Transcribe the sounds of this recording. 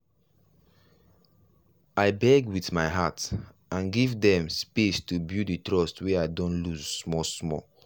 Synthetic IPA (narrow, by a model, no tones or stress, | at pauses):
aɪbɛɡwitmaɪɦat | ãnɡivdɛ̃mspestubjuditɹɔstweaɪdɔ̃nluzːmɔsmɔ